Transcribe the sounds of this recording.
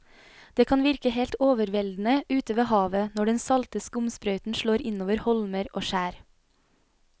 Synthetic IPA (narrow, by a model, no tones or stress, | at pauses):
d̪̥eːkʰɑnʋɪɾkəheːlt̪oːʋəɾʋɛld̪n̩əʉːt̪əʋeːhɑːʋənɔɖɛnsɑlt̪əskəʊmspɾœʏt̪n̩ʃɭoːɾɪnoːʋəɾhɔlməɾʔoːʃæːɾ